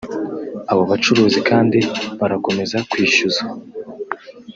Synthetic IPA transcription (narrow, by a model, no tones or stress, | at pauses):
aβoβat͡ʃuɾuːzikaːndiβaɾako̞me̞zakwiːʃuza